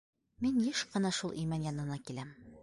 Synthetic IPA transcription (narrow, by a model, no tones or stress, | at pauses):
minjɘʃqɤ̆nɑʃulˠʔimænjɒnɤ̆nɑkilæm